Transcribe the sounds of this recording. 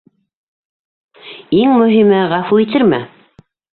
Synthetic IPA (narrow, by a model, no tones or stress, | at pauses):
iŋmɵ̆ɦimɘʁɑfuit̪ɘɾmæ